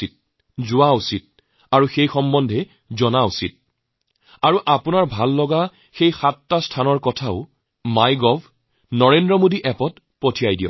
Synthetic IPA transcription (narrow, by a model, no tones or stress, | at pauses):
it̚ | zʊwausit̚ | aɹuxejxɔmbɔndʱɛ | zɔnausit̚ | aɹuʔapunaɹbʱalːɔɡa | xejxatːastʰanɔɹkɔtʰaʊ | majɡɔbʱ | nɔɹendɹɔmodiʔɛpɔt | potʰijajdijɔ̰